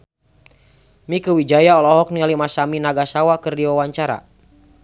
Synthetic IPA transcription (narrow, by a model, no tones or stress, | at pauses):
mikəwid͡ʒajaɔlɔɦɔk̚nialimasaminaɡasawakərdiwawaɲt͡ʃaɾa̰